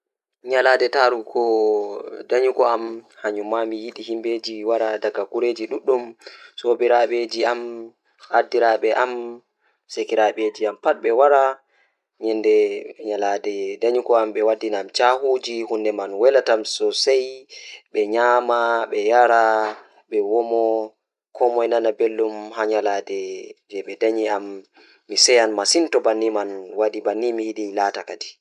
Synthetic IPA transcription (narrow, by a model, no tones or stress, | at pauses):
ɲaladɛtaɾukʰɔ | daɲukɔamhaɲumamijiɗihimbed͡ʒiwaɾadaɡakuɾed͡ʒiɗuɗːumsobiɾaɓed͡ʒiam | adiɾaɓɛʔam | sekiɾaɓed͡ʒiampaɗ̚ɓɛwaɾa | ɲɛndɛɲaladɛdaɲikɔamɓɛwadːinamt͡ʃahud͡ʒihundɛmanwɛlatamsɔsajɓɛɲamaɓɛjaɾa | ɓɛwɔmɔ | kʰɔmɔjnanabelːumhaɲaladɛd͡ʒɛɓɛdaɲiamː | isɛjanmasintɔbanːimanwadibanːimihiɗilaːtakadi